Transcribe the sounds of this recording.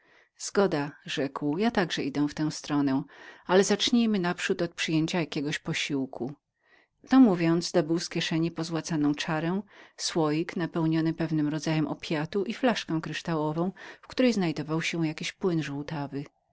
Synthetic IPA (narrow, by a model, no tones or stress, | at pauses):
z̥ɡɔd̪aʐɛkwjat̪aɡʐɛid̪ɛw̃ft̪ɛ̃w̃st̪ɾɔnɛ̃alɛzat͡ʂɲejmɘnapʂut̪ɔt̪̚pʂɘjeɲt͡ɕajakʲɛɡɔɕpɔɕiwku | t̪ɔmuvʲjɔnd̪zd̪ɔbɘwskʲjɛʂɛɲɛpɔzwat̪sanɔ̃w̃t͡ʂaɾɛw̃swɔjiknapɛwɲɔnɘpɛvnɘmɾɔd̪zajɛmʔɔpʲjat̪uʔiflaʂkɛ̃w̃kɾɘʂt̪awɔvɔ̃w̃fkt̪uɾɛjznajd̪ɔvawɕɛ̃jakʲiɕpwɘnʐuwt̪avɘ